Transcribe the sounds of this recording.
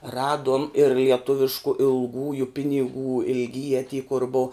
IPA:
ˈrɑːduɔm ɪr lʲiɛˈtʊʋʲɪʃkʊ ɪlˠˈɡuːjʊ pʲɪnʲɪˈɡuː ɪlʲɡʲˈiːjɛ tʲiː kʊr boːʊ

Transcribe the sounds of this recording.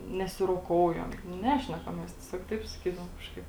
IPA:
nʲɛsʲɪroːˈkoːʊjɛm nʊ ˈnʲæːʃʲnʲɛkɐm ˈmʲɛs tʲiɛˈsʲoːk ˈtɐɪp sɐˈkʲiːdɐʋoːm ˈkɑːʃkɐɪp

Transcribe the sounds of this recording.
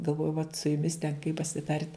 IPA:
ɡɐlˠˈʋoːjʊ ʋɐt sʊ jʊˈmʲɪs tʲɛn kɐɪ pɐsʲɪˈtɐrʲtʲ

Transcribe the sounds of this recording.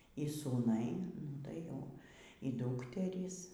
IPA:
iː suːˈnɐɪ ˈnʊ tɐɪ jɛʊ iː ˈduːktʲɛrʲiːs

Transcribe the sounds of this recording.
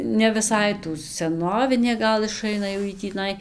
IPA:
nʲɛ ʋʲɪˈsɐɪ tuː sʲɛˈnoːʋʲɪnʲeː ˈɡɐlˠ ɪˈʃɐɪnɐ jɛʊ ˈjiː tʲiːˈnɐɪ

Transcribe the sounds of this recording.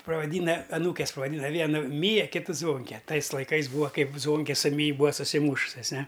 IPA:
prɐʋɐˈdʲiːnɐ ɐˈnuːkʲɛs pɐʋɐˈdʲiːnɐ ˈʋʲiɛnʊ ˈmʲiːjɛ ˈkʲɪtʊ ˈzʋoːŋʲkʲɛ ˈtɐɪs lˠɐɪˈkɐɪs ˈbuːʋɐ ˈkɐɪp ˈzʋoːŋʲkʲɛ sʊ ˈmʲiːj ˈbuːɐ sʊsʲɪˈmuːʃʊsʲɛs ˈnʲɛ

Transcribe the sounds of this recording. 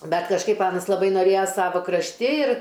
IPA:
ˈbʲɛt kɐʃˈkɐɪp ˈɑːnɐs lˠɐˈbɐɪ noːˈrʲeːjɛ ˈsɑːʋoː krɐʃʲˈtʲɪ ɪr

